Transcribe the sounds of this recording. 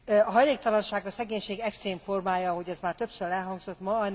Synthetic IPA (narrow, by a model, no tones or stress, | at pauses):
ɒɦɒjleːk̚t̪ɒlɒnʃaːɡɒsɛɡeːɲʃeːɡɛkst̪reːɱformaːjɒɦo̞ɟɛzmaːrt̪ø̞psøɾɛlɦɒŋɡzo̞t̪mɒn